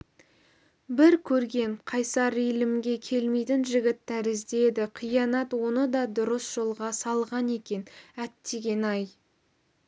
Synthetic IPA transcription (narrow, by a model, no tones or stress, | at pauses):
bɪɾkʲʰɵɾɡʲe̞nqʰɑjsɑɾijlɪmɡʲe̞kʲʰe̞lme̞jt̪ɪnʒɪɡʲɪt̪ʰːæɾɪzd̪e̞d̪ɪqʰijɑnɑt̪wo̞nəd̪ɑd̪ʊɾəsʒ̥o̞lˠʁɑsɑlˠʁɑne̞kʲe̞næt̪ːe̞ɡʲe̞nɑj